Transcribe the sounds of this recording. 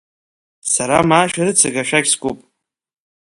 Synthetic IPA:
saɾamaːʃᶣaɾɨt͡sʰɨɡaʃᶣaɡʲsɡʷʼupʼ

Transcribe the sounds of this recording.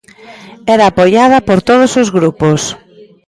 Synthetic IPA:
ɛɾaːpojað̞ɐpoɾt̪oð̞osozɣɾupos

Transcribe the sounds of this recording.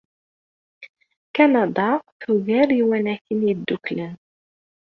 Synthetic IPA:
kænɑd̪ˤɑθuɣæɾiwænæçənjid̪ːuklən

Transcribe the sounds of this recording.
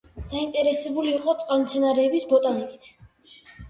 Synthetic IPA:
d̪̥aint̪ʼɛɾɛsɛbuliːqʼɔt̪sʼqʼalmt̪sʰɛnaɾɛːbisbɔt̪ʼanɛbit̪ʰ

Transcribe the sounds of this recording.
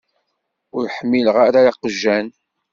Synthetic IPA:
ʊɾħəmːiləʁaɾaɾaqəʒːæn

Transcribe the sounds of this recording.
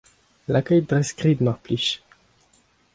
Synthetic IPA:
lakʲœjd̪ʁɛskʁid̪maʁpliʃ

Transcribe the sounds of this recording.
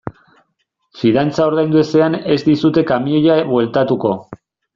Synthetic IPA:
fiðant͡sao̞ɾð̞ajnd̪ue̞se̞ane̞zd̪isut̪e̞kamiojaβwe̞lt̪at̪uko̞

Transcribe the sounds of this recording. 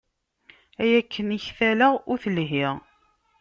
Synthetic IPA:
æjækʰːəniçθæləʁʊɾθəlɦɪʁ

